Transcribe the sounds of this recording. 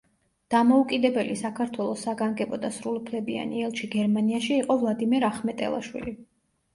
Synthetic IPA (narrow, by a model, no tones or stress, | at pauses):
d̪̥amɔukʼid̪ɛbɛlisakʰaɾt̪ʰwɛlˠɔsːaɡaŋɡɛbɔd̪asɾulˠupʰlɛbia̰niɛlˠʃiɡɛɾmaniaʃiːqʼɔvlˠad̪imɛɾaχmɛt̪ʼɛ̰lˠa̰ʃwḭli